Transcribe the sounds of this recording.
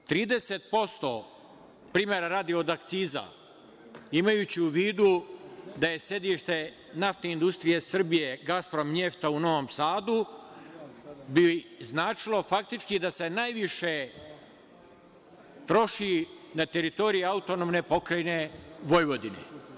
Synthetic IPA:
t̪ɾiːd̪e̞set̪̚po̞st̪o̞̰ | pɾiːmeɾaɾaːd̪io̞d̪akt̪siːza̰ | imajuːt͡ɕiuʋiːd̪ud̪aje̞sje̞d̪iʃt̪e̞ | naft̪eind̪ust̪ɾije̞sr̩bije̞ɡaspɾo̞mɲe̞ft̪auno̞ʋomsaːd̪u | biznaːt͡ʃilˠo̞fak̚t̪it͡ʃkid̪ase̞najʋiʃe̞ | t̪ɾo̞ʃinat̪e̞ɾit̪o̞ɾijiaut̪o̞nomne̞po̞kɾajne̞ʋo̞jʋo̞d̪inḛ

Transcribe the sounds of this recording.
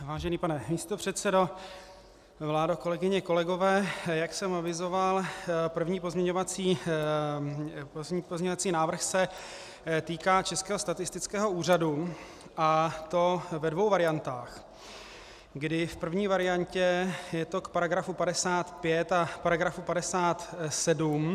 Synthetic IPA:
vaːʒɛniːpanɛmiːst̪o̞pr̝̥ɛt̪sɛdo̞ | vlaːdoko̞lɛɡɪɲɛko̞lɛɡo̞vɛːjaksɛmavɪzo̞valpr̩vɲiːpo̞zmɲɛɲovat͡siː | pozɲovat͡siːnaːvr̩xsɛ | t̪iːkaːt͡ʃɛskɛːɦo̞st̪at̪ɪst̪ɪt͡skɛːɦo̞uːr̝adu | ʔat̪o̞vɛdvo̞wvaɾɪjant̪aːx | ɡdɪfpr̩vɲiːvaɾɪjaɲcɛjɛt̪o̞kpaɾaɡɾafupadɛsaːt̪pjɛt̪apaɾaɡɾafupadɛsaːt̪sɛdum

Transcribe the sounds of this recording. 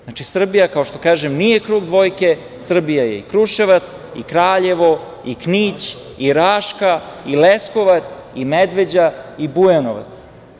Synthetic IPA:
znat͡ʃisr̩bijakao̞ʃt̪o̞kaːʒemnije̞kɾuːɡd̪ʋo̞jke̞ | sr̩bijajḛikɾuʃeʋat̪s | ḭkɾaːʎe̞ʋo̞ | ikniːt͡ɕ | iɾaːʃkailesko̞ʋat̪simed̪ʋe̞d͡ʑaibujanoʋa̰t̪s

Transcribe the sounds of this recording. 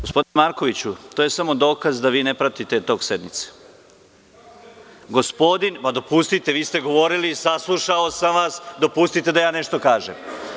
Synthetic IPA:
ɡospo̞d̪inemaɾko̞ʋit͡ɕut̪oːje̞samo̞d̪o̞ːkazd̪aʋiːnepɾat̪it̪e̞t̪o̞ːɡse̞d̪mit̪se̥ | ɡo̞spo̞d̪inpad̪o̞pust̪it̪e̞ʋiːst̪e̞ɡo̞ʋo̞ɾilisaslˠuʃaosamʋasd̪o̞pust̪it̪e̞d̪ajaːne̞ʃt̪o̞kaːʒḛm

